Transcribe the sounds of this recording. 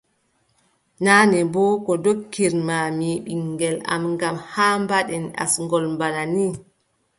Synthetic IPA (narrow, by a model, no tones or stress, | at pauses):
naːnɛbɔkɔdokːiɾmamiɓiŋːɡɛla̰mŋɡamhaːmbaɗɛna̰sŋɡɔlmbanani